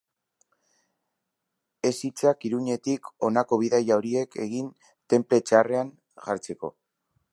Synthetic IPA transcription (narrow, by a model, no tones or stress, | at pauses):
e̞sit͡sakiɾuɲe̞t̪iko̞nako̞β̞iðajaoɾie̞ke̞ɣin | t̪e̞mple̞t͡ʃare̞aŋ | ɣa̰ɾt͡se̞ko̞̰